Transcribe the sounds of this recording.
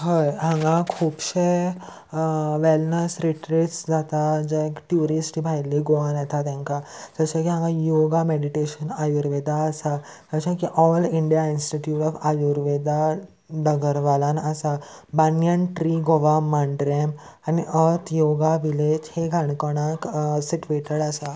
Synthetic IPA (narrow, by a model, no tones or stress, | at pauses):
ɦəjɦãŋɡãkʰuːbɕe | ʋɛlnəsɾiʈɾiʈsd͡zat̪ad͡ʒekʈjuɾisʈibʱajliɡoʋanɛt̪ʰat̪ɛ̃ŋkasət͡ɕakiɦãŋɡãjoɡameɽiʈeɕənajuɾʋed̪aəsa | d͡zət͡ɕakiʔɔliɳɖijainsʈiʈjuʈɔfajuɾʋed̪a | ɖəɡəɾʋalanəsabanjənʈɾiɡoʋamaɳɖɾemaniʔəɾt̪joɡaʋiled͡ʒheɡʱaɽkɔɽ̃aksiʈʋeʈəɾasa